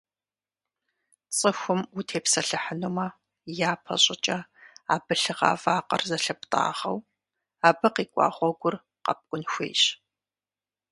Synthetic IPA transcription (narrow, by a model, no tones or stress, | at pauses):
t͡sʼəxʷʊmutʰeːpsɐɬɨħənumɐ | jaːpʰɐ̰ɕʼɪt͡ʃʼɐa̰ːbɨɬɨʁa̰ːvaːqɐ̰rzɐɬɐp̚tʼa̰ːʁɐ̰w | aːbɐqiːkʷʼɑ̰ːχʷɔɡʷʊr | qɐ̰p̚kʷʼʊnxʷḛːjɕ